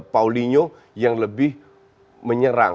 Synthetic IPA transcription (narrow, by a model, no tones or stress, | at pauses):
pauliɲo | jaŋləbɪh | məɲəɾa̰